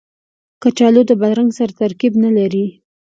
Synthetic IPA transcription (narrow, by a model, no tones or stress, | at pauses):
kat͡ʃɑlod̪əbad̪ɾaŋɡsaɾat̪aɾkibnalaɾi